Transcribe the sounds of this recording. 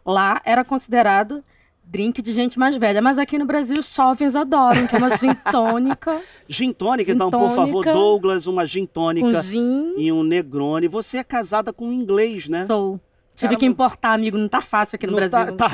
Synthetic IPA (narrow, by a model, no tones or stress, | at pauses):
laʔɛɾɐkõsid̪eɾad̪ʊ | d̪ɾĩkɪd͡ʒɪʒẽnt͡ʃɪmajzvɛʎɐmɐzakinʊbɾaziwʊsɔvẽzad̪ɔɾɐ̃w̃kɪɛumɐʒĩt̪õnikɐ | ʒĩnt̪õnikɐ̃d̪ɐ̃põnfavoɾd̪oɡlɐzũmɐʒĩnt̪õniũkɐzĩĩũneɡɾõnɪvoseɛkazad̪ɐkõĩɡlejʃnɛsow | t͡ʃivɪkɪĩpoɾt̪aamiɡʊnɐ̃w̃t̪afasiuwakinʊbɾazia